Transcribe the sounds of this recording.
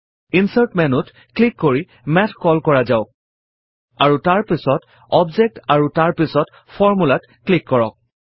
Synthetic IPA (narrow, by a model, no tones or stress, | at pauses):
insaɹtmɛnʊt | klikːoɹi | mɛtʰkɔlkɔɹazaʊk̚ | aɹutaɹpisɔt | ɔbzek̚taɹutaɹpisɔt | fʰɔɹmulat | klikːɔɹɔk̚